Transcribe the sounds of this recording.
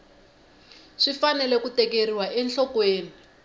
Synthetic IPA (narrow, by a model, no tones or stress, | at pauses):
ʂifanɛlɛkutɛkeriwaʔɛnɬɔkweːnii